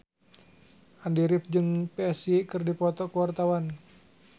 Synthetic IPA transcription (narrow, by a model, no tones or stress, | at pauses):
ʔandiɾɪp̚d͡ʒɨŋpɛɛsikɨrdipɔt̪ɔkəwart̪awan